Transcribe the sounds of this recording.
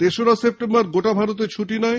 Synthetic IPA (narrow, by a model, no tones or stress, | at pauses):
t̪eʃoɾasep̚ʈembaɾɡoʈabʱaɾot̪̬et͡ɕʰuʈinɔe